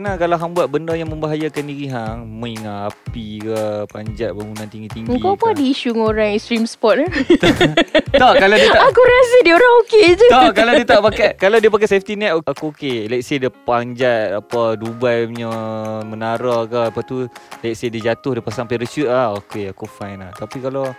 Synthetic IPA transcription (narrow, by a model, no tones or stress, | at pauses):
ənakalaɦaŋbuat̪̚bəndəjaŋmə̃mbaɦajakandiɾiɦaŋmə̃iŋaːpikapaɲd͡ʒaʔ̪̚baŋunãnt̪iŋɡit̪iŋɡəŋikawpuadiːʃuŋoɾaŋst̪ɾimspɔt̪̚t̪ | ɔʔkaladiəakuɾasadioɾaŋoked͡ʒut̪ɔʔkaladdiət̪aʔpakakalawdiəpak̬aseft̪inɛt̪oakuokelɛksedəpaɲd͡ʒat̪̚apədubajɲəmənaɾɔkapat̪ulɛksedəd͡ʒat̪ʊhdiəpasaŋpeɾəsut̪̚lahokeakufajnlaht̪apikalaw